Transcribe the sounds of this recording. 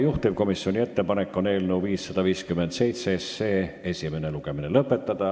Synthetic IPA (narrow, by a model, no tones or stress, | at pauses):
juht̪iv̥ko̞misːio̞nʲie̞t̪ːe̞pɑnekːo̞ne̞ːlnewviːsːɑd̪ɑviːskymːend̪se̞jt̪sesːe̞ːe̞sʲime̞ne̞luɡ̥e̞minelɤpːˑe̞t̪ːɑd̪̥ɑ